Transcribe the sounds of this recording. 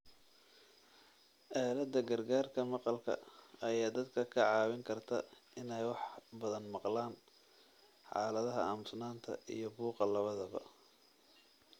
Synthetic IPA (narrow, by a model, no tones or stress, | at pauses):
ʔɛːlɐd̪ːɐɡɐrɡaːrkʰɐmɑqɑlkʰɐ̰ɐjaːd̪ɐd̪kʰɐkʰɐʕɑːwɪŋkʰɐrt̪ʰɐɪnɛjwɑħbɐðɐnmɑqlaːn | ħɑ̰ːlɐðɐɦɐaːmʊsnaːnt̪ʰɐ̰ḭjɞbuːqɑlɐβɐðɐβɐ̰